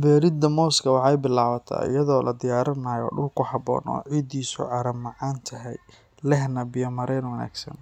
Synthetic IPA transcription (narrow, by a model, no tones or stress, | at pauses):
bɛːɾɪd̪ɐmɔːskʰɐwɑħɑjbɪlaːβɐt̪ʰa̰ːɪ̰jɐðɔːlʔɐ̰d̪ɪjaːɾɐnɐjɔ̰ːɖʊlkʰʊħɑbɔ̰ːnɔ̰ːʕid̪iːsʊ̰ʕɑɾɐmːɑʕɑːnt̪ʰɐɦɛj | lɛhnɐbɪjɐmɐɾɛnwɐna̰ːɡsɐ̰n